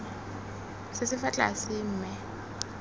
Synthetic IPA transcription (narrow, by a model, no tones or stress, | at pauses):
sɪsɪfat͡ɬʼa̰sɪm̩ːmɛ